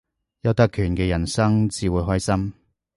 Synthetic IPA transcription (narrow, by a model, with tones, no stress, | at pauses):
jɐ˨˧wt̪ɐ˥kʰːyː˨˩nkɛː˧jɐ˨˩nsɐ˥ŋt͡siː˨˧wuː˨˧jɦɔː˥jsɐ˥m